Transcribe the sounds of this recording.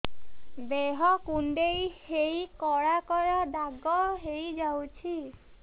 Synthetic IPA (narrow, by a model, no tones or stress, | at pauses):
beɦɔkuɳɖejhejkɔɽakɔɾɔd̪aɡɔɦejd͡ʒawt͡ʃʰi